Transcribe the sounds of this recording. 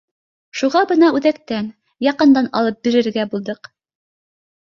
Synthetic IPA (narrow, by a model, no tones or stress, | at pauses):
ʃuʁɑbɤnɑʉðækt̪æn | jɑqɤ̆nd̪ɑnɑ̰lˠɤp̚biɾɘ̆ɾɡæbulˠd̪ɤq